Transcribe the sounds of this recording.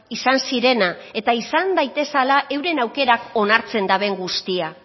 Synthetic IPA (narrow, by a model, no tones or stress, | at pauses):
isansiɾe̞nae̞t̪aisand̪ajt̪e̞salaʔe̞wɾe̞nawke̞ɾako̞naɾt͡se̞nd̪aβe̞ŋɡust̪ia